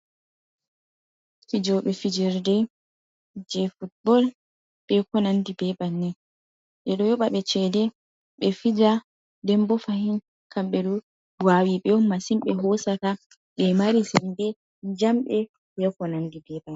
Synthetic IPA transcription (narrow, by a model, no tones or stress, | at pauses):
fid͡ʒɔɓɛfid͡ʒɛɾdɛ | d͡ʒɛfut̚bɔl | ɓ̥ɛkɔnandibɛbanːɛ | ɓɛɗɔjɔɓaɓɛt͡ʃɛdɛ | ɓɛfid͡ʒa | dɛmbɔfahin | kʰamɓɛɗɔ | bwawiɓɛɔmasimɓɛɦɔsata | ɓɛmaɾisɛndɛ | d͡ʒamɓɛ | bɛkɔnandibɛban